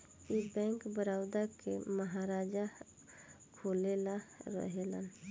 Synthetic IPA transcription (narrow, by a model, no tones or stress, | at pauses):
ibɛ̃ːŋkbəɾaːwd̪akeməɦaɾaːd͡ʒa | kʰoːlelaɾə̰ɦelə̰n